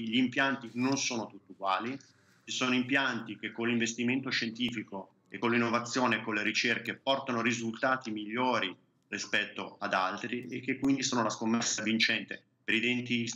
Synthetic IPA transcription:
ʎiːmpjant̪inonsoːnot̪ut̪ːiuɡwaːli | t͡ʃisoːnoimpjant̪ik̟ekːonlːiɱvest̪iment̪oʃent̪iːfiko | ekːonlːinːovat̪sːjoːnekːonlːeɾit͡ʃerkepɔrt̪anoɾizult̪aːt̪imiʎːoːɾi | rispɛt̪ːoad̪a̰lt̪ɾiekːekːwind̪isoːnolaskomːɛsːavint͡ʃɛnt̪e | peɾid̪ent̪i

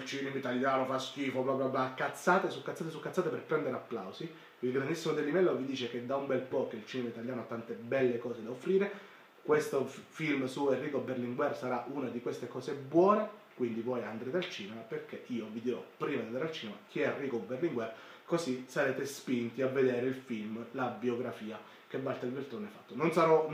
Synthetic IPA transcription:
ilt͡ʃiːnemit̪aljaːnofask̟iːfopɾɔːpɾjɔpjoakːat̪sːaːt̪esukːat̪saːt̪esukːat̪sːaːt̪eperpɾɛnd̪eɾeapːla̰wsi | ilɡɾand̪isːimod̪elːimɛlːovid̪iːt͡ʃeked̪aumbɛlpɔkːeilt͡ʃiːnemait̪aljaːnoat̪ːant̪ebɛlːekɔːsed̪aofːɾiːɾe | kwest̪ofilmsuerːiːkoberliŋɡwɛrsaɾaʔunad̪ikwest̪ekɔːzebwɔːnekwind̪ivɔjand̪ɾeːɾealt͡ʃiːnemaperkeʔiːovid̪iɾɔpːɾiːmad̪iand̪aɾalt͡ʃiːnema̰k̟ʰiɛrːiːkoberliŋɡwɛrkosisaɾeːt̪espint̪iavːed̪eːɾeilfilmlabioɡɾafiːa | kebːalt̪ailvelt̪oːneɛfːat̪ːononsaɾɔ

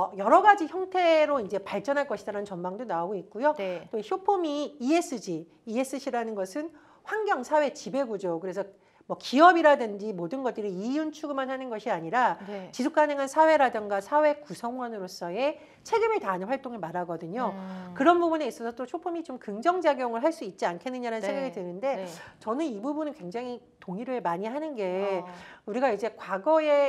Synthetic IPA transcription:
ʌjʌɾʌɡad͡ʑiçjʌŋtʰe̞ɾoind͡ʑe̞paɭt͡ɕ͈ʌnɦaɭk͈ʌɕʰidaɾanɯnt͡ɕʌnmaŋdonaoɡoik̚k͈ujot͈oiɕʰjopʰomiːes͈ɯd͡ʑiː | e̞s͈ɯɕʰiɾanɯnɡʌsʰɯn | ɸwaŋɡjʌŋsʰawe̞t͡ɕibe̞ɡud͡ʑokɯɾe̞sʰʌ | mwʌkiʌbiɾadɯnd͡ʑimodɯnɡʌt̚t͈ɯɾiijunt͡ɕʰuɡɯmanhanɯnɡʌɕʰiaɲiɾat͡ɕisʰuk͈anɯŋɦansʰawe̞ɾadɯŋɡasʰawe̞kusʰʌŋwʌnɯɾos͈ʌe | t͡ɕʰe̞ɡimɯɭtaːnɯnɸwaɭt͈oŋɯɭmaɾaɡʌdɯɲokɯɾʌnbubuneis͈ʌsʰʌt͈ot͡ɕʰopʰumit͡ɕomkɯŋd͡ʑʌŋd͡ʑaɡjʌŋɯɭɦaɭs͈uit̚t͡ɕ͈iankʰe̞nːɯɲaɾanɯnsʰeŋɡaɡitɯnɯnde̞t͡ɕʌnɯnibubunɯnkwe̞ŋd͡ʑaŋi | toŋiɾɯɭmaɲiɦanɯnɡe̞ | uɾiɡaid͡ʑe̞kwaɡʌe

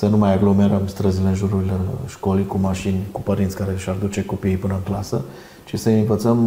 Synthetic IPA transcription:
sənumajaɡlome̞ɾəmst̪ɾəzileɨnʒuɾuɾileʃko̞likumaʃinʲkupəɾint̪sʲkaɾe̞ʃard̪ut͡ʃe̞ko̞pijpɨnəɨŋklasə | t͡ʃisəɨnvət̪səm

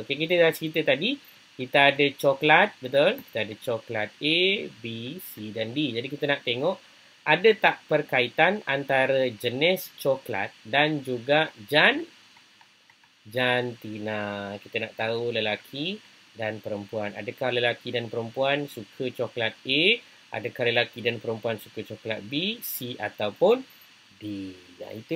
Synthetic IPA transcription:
okekit̪ədaat͡ʃəkit̪ət̪adi | kit̪əadət͡ʃɔklat̪̚bət̪olki̥t̪əadət͡ʃɔklat̪̚ebisidandid͡ʒadikit̪ənaʔt̪eŋɔʔ | adət̪aʔpərkait̪anant̪aɾəd͡ʒənɪst͡ʃɔkla̰t̪̚dand͡ʒuɡaʔd͡ʒan | d͡ʒant̪inakit̪ənaʔt̪auləlakʰi | danpəɾəmpuana̰dəkahləlakidanpəɾəmpuansukʰət͡ʃɔklat̪̚e | ʔa̰dəkahləlakidanpəɾəmpuansukət͡ʃɔklat̪̚bisia̰t̪awpʊn | di | d͡ʒa̰it̪u

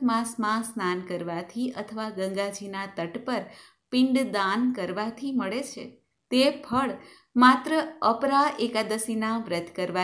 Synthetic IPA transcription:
mãsmãsnankəɾʋat̪ʰiət̪ʰəʋaɡə̃ŋɡad͡ʒinat̪əʈpəɾ | pɪ̃ɳɖd̪ankəɾʋat̪ʰiməɭet͡ʃʰḛ | t̪epʰəɭ | mat̪ɾəəpɾaʔekad̪əsinaʋɾət̪kəɾʋa

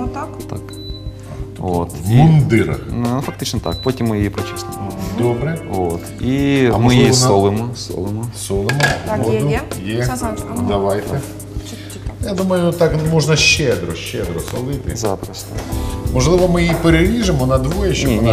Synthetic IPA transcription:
t̪ak | vo̰t̪mʊnd̪ɪɾɐ̰xnnufɐk̚t̪ɨt͡ɕnət̪a̰k̚potʲɪmːɨjejpɾɐt͡ɕɛsnʊd̪obɾɨvot̪imɨjejsnolˠɨmʊso̰lˠɨmʊsolˠɨmʊod̪ʊjed̪ɐʋajt̪ɛ | jad̪uməjʊt̪akmoʐnɐɕːed̪ɾɔɕːed̪ɾɔsɐlˠɪt̪ɪ̰zapɾɐsʲt̪mɔʐlˠɨʋɐmɨjipɪɾʲɪlʲiʐɨmɔnɐd̪ʋojɛɕʲ

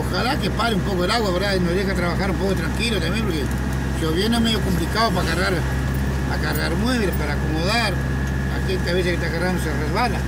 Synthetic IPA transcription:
oxalakepaɾeumpokoelaɣwaeɾðainozðexeat̪ɾaβaxaɾumpokot̪ɾaŋkilot̪ambjemp̬oɾke | seoβjenoemeɣjokomplikaðopaɣaraɾ | a̰ɣaraɾmweβlɾepaɾaːkomoðaɾ | a̰kelkaβeseket̪aɣaramoserezβala

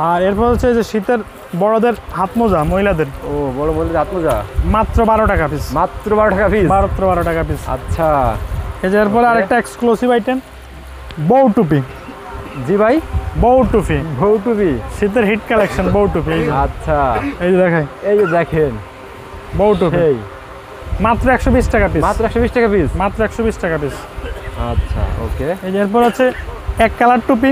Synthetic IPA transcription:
aɾeɾpɔɾet͡ɕajd͡ʑeʃit̪eɾ | bɔɽod̪eɾɦat̪mod͡ʑamoɦilad̪eɾobɔɽomoɦilad̪eɾɦat̪mozamat̪ːɾobaɾoʈakapismat̪ːɾobaɾoʈakafibaɾot̪ːɾobaɾoʈakapisa̰tːʃʰaked͡ʑeɾp̬ɔɾeaɾek̚ʈaeksklosibajʈen | bowʈup̬i | d͡ʑibajbowʈufibowʈupiʃit̪̬eɾɦiʈkalekʃɔnbowʈufʰiejd͡ʑeatːʃʰaejd͡ʑed̪ɛkʰajejed̪ɛkʰen | bowʈupiej | mat̪ːɾoɛkʃɔbisʈakapisat̪ɾoɛkʃɔbisʈakapismat̪ːɾoɛkʃɔbisʈakapis | atːɕʰa̰o̰keeeɾp̬ɔɾat͡ɕʰeɛkːalaɖ̚ʈup̬i

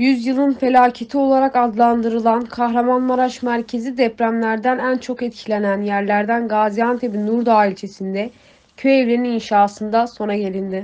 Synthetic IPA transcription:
jyzjɯlˠɯnfe̞lʲaːcʰe̞t̪ʰio̞lˠaɾakad̪lˠand̪ɯɾɯlˠankʰaxɾamanmaɾaʃmæɾcʰe̞zid̪ɛpɾæmlʲæɾd̪ænænt͡ʃʰo̞kɛt̪cʰilʲe̞nænjæɾlʲæɾd̪ænɡaːzijant̪ʰebinuɾd̪aːilʲt͡ʃʰe̞sind̪ɛ | cʰøɛvlʲe̞ɾininʃaːsɯnd̪aso̞naɟe̞lʲind̪ɪ

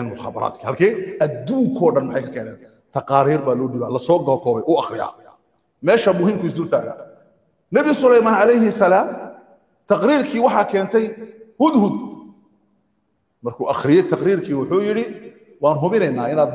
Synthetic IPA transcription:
ɛnmʊχɑ̰ːbɐ̰ɾa̰ːt̪kʰiːhɐlkʰɛːʔɐd̪uːŋkʰɔːɖɐnmʊħɑjkʰɐkʰɛːnɛ̰ːn | t̪ʰɐqɑːɾiːrbaːlɔːɖɪːβaːlɐsɔːɡɔkʰɔːβɛjʔʊːɑχɾɪja̰ː | mɛːʃɐmʊɦhiːmkʰʊɪs̬d̪uːrt̪ʰaːɣa̰ː | nɐβɪsʊlɛjmaːnʕɑlɛjhɪsɐlaːm | t̪ʰɑqɾiːrkʰiːwɑħɑːkʰɛːnt̪ʰɛjhʊd̪hʊd̪̚ | mɐrkʰʊːʔɑχɾɪjɛjt̪ʰɑqɾiːrkʰiːwʊħʊːjɪɽɪ | wɑːnɦʊβɪnɛjnaːɪnaːd̪

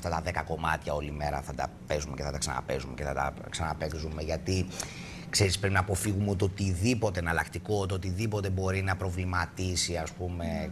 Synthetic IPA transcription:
ft̪ɐt̪ɐðe̞kɐko̞mɐt̪çɐo̞lime̞ɾɐ̰θɐt̪ɐ̰ | pe̞zume̞ceθɐt̪ɐksɐ̰nɐ̰pe̞zumeceθɐt̪ɐ̰ | ksɐnɐpekzume̞ʝɐt̪i | kse̞ɾispɾepinɐːpo̞fiɣumeot̪ot̪iðipo̞t̪e̞nɐlɐkt̪iko̞t̪ot̪iðipo̞t̪e̞bo̞ɾinɐpɾo̞vlimɐt̪isiɐspume̞

